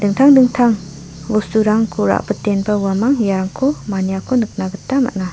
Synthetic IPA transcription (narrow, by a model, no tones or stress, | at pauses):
dɯŋtʰaŋdɯŋtʰaŋ | wostuɾaŋkʰuɾa̰ʔbɯtenbɐwamaŋjaɾaŋkʰomanijakʰonɯk̚naɡɯtːama̰ʔna